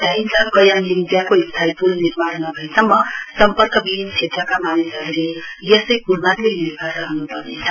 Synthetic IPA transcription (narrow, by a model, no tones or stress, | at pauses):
d̪ʱainsʌbkʌjanimid̪jakoist̪ʰaipulniɾbaɾmabʱʌisʌmːʌsʌmpʌrkʌbibʱinːt͡ʃʰet̪rʌkamanisʌɾlejʌsʌjkuɾmat̪eniɾbʱaaɦunupʌrnet͡sʰʌ̥